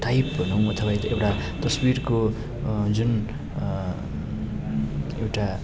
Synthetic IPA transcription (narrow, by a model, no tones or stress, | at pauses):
ʈajp̚bʱʌnow̃ʌt̪ʰʌbajt̪ʌewʈat̪ʌsbirko | d͡zun | ḛwʈa